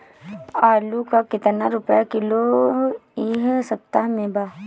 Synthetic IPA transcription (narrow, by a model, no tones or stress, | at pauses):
aːlukakɪt̪naɾʊpjakɪlo | iɦsɐp̚t̪aɦmẽbaː